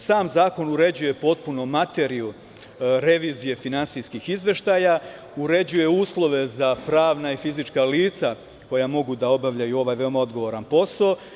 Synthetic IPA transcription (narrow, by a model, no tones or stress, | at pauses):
saːmzaːko̞nuɾe̞d͡ʑuje̞po̞t̪̚punomat̪e̞ɾiu | ɾe̞ʋiːzije̞finansijskixizʋe̞ʃt̪aːja | uɾe̞d͡ʑuje̞uːslˠo̞ʋe̞zapɾaːʋnaifizit͡ʃkaliːt̪sa | ko̞jamo̞ɡud̪ao̞baʋʎajuo̞ʋaːjʋe̞o̞mao̞d̪ɡo̞ʋo̞ɾanpo̞saː